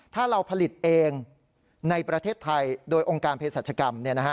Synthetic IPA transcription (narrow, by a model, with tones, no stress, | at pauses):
t̪ʰaː˥˩ɾa˧wpʰa˧li˨˩t̪̚ʔeː˧ŋ | na˧jpɾa˧t̪ʰeː˥˩t̪ʰːa˧jdoː˧jʔoː˧ŋkaː˧npʰːe˧˥saː˨˩t͡ɕʰa˧ka˧mni˥˩ɐna˦˥kʰa˦˥